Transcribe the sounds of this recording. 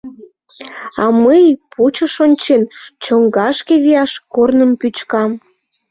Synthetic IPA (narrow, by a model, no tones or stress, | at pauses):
ɑ̰məjpʰut͡ɕəʃonʲt͡ɕent͡ɕoŋɡɑʃkeβijɑʃkornəmpyt͡ɕkɑm